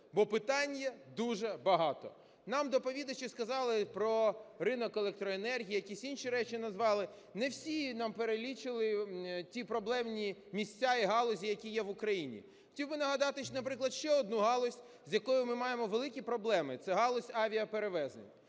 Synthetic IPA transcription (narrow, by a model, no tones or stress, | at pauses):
bɔpɪt̪ɑnʲjɐd̪uʒɛbɐɦɑt̪ɔ̰ | nɑmd̪ɔpɔʋʲid̪ɐt͡ʃɪskɐzɑlˠɪpɾɔɾɪnɔkelˠɛk̚t̪ɾɔenɛrɦʲijijɐkʲisʲinʃiɾɛt͡ʃɪnɐzʋɑlˠɪ | nɛwsʲinɑmpeɾelʲit͡ʃɪlˠɪtʲipɾɔblˠɛmnʲimʲisʲtʲaiɦɑlˠɔzʲijɐkʲijɛʋʊkɾɐjinʲḭ | xɔ̥tʲiwbɪnɐɦɐd̪ɑt̪ɪnɐp̬ɾɪklˠɐd̪ʃt͡ʃɛɔd̪nuɦɑlˠɔsʲ | zʲjɐkɔjʊmɪmɑjemɔʋelˠɪkʲipɾɔblˠɛmɪt̪sɛɦɑlˠɔsʲɑʋʲiɐpeɾeʋɛznḛnʲ